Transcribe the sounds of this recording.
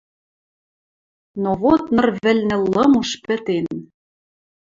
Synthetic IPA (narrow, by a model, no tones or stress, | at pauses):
noβot̪nɤ̆rβɘ̆lʲnɘ̆lɤ̆muʃpɘ̆t̪en